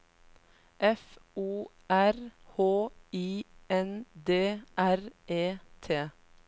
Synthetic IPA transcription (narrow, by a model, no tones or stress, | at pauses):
ʔɛfuː | ʔæɾhoːiːɛnd̪eːʔæɾʔeːt̪ʰeː